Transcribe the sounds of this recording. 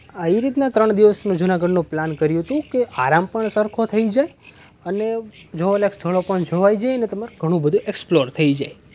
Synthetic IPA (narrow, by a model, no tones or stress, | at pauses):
əiɾit̪nat̪ɾəɳd̪iʋəsmãd͡ʒunaɡəɖnũplankəɾjũɦət̪ũkeʔaɾampəɳsəɾkʰot̪ʰəid͡ʒaj | əned͡ʒoolekst̪ʰəɭopəɳd͡ʒoʋaid͡ʒajənet̪əmaɾɡʱəɽ̃ũbəd̪ʱũʔeksploɾt̪ʰəid͡ʒaj